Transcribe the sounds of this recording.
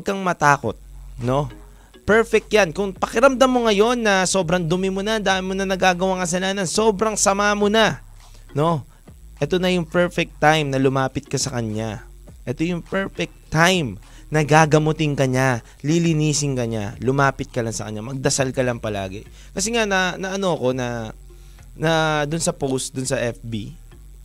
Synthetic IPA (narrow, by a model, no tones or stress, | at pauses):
ɡ̚kɐŋmɐt̪aːko̞t̪̚no̞ | pɛɹfɛk̚t̪̚jankʊŋpɐkɪɾɐmd̪amːoŋɐjo̞nːɐso̞ːbɾɐŋd̪ʊmɪmʊnand̪aːʔɪnmonɐnɐɡaːɡɐwaŋkɐsɐlaːnɐnso̞ːbɾɐŋsɐmaːmona | no̞ | ʔɛt̪o̞nɐjʊŋpɛɹfɛk̚t̪ːajmnɐlʊmaːpɪt̪̚kɐsɐkɐɲja | ʔɛt̪ojʊŋpɛɹfɛk̚t̪ajm | nɐɡaːɡɐmot̪ɪŋkɐɲa | lilɪniːsɪŋkɐɲa̰lʊmaːpɪt̪̚kɐlɐŋsɐkɐ̰ɲɲamɐɡ̚d̪ɐsalkɐlɐŋpɐla̰ːɡɛ̰ | kɐsɛŋanɐnɐʔɐno̞ɐko̞nɐ | nɐd̪ʊnsɐpowst̪d̪ʊnsɐʔɛfbḭ